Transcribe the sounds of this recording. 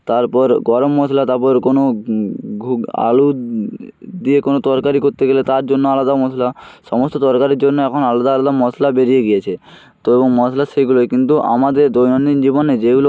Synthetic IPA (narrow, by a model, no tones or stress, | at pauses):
t̪aɾpɔɾɡɔɾomːɔsʰlat̪aɾpɔɾkono | ɡʱa̰lu | d̪iekonot̪ɔɾkaɾikoɾt̪eɡelet̪aɾd͡ʑonːoalad̪amɔsʰlaʃɔmost̪ot̪ɔɾkaɾiɾd͡ʑonːoɛkʰonalad̪aalad̪amɔsʰlabeɾijeɡijet͡ɕʰe | t̪oeboŋmɔslaʃeɡuloekint̪uʔa̰mad̪eɾd̪ojnonind͡ʑiboned͡ʑeɡulo